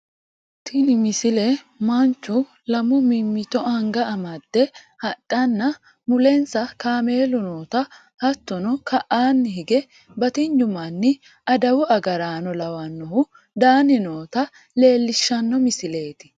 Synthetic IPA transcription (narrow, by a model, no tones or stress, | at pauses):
t̪ʰɪnɪmɪsɪlɛ | mɐnt͡ʃːʊ | lɐmʊmɪmːɪt̪ɔɐŋɡɐɐmɐd̪̥ːɛ | hɐɗʼːɐnːɐ | mʊlɛnsɐkaːme̞ːlʊnoːt̪ɐ | hɐt̪ːɔnɔkʰɐʔaːnːɪhɪɡɛ | bɐt̪ɪɲːʊmɐnːɪ | ɐd̪ɐwʊʔɐɡɐɾaːnɔlɐwɐnːɔhʊ | d̪aːnɪnoːt̪ɐ | le̞ːlːɪʃːɐnːɔmɪsɪle̞ːt̪ɪ̥